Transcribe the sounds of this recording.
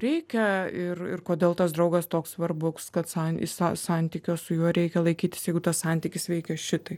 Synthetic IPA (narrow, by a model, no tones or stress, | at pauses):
ɾʲɛɪkʲɛɪrɪ̰rkoːd̪ʲeːlˠt̪ɐsd̪ɾɐʊɡɐst̪oːkssʋɐrbʊkskɐt̪sɑnɪ̰sɐsɑnʲt̪ʲiːkʲoːsʊjuɔɾʲɛɪkʲɛlˠɐɪkʲiːt̪ʲɪsjɛɪɡʊt̪ɐssɑnʲt̪ʲiːkʲɪsʋʲɛɪkʲɛʃʲɪt̪ɐɪ